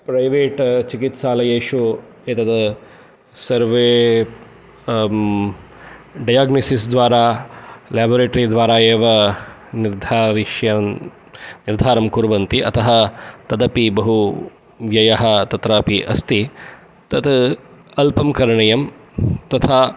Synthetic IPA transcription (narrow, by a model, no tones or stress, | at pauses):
pɾɐjʋeːʈt͡ʃikit̪ʃaːlɐjeːʃu | eːt̪ɐd̪ɐ | sɐɾʋeː | ɖɐjaːɡnɐsisd̪ʋaːɾaːlaːboːɾeːʈɐɾid̪ʋaːɾaːeːʋɐniɾd̪ʱaːɾiʃjɐ | niɾd̪ʱaːɾɐmkuɾʋɐnt̪iʔɐ̰t̪ʰɐɦɐt̪ɐd̪ɐpibɐɦu | ʋjɐjɐɦɐ̆t̪ɐt̪ɾɐːpiʔɐ̰st̪i | t̪ɐt̪ʰɐlpɐmkɐɾɐɳɐjɐmt̪ɐt̪ʰaː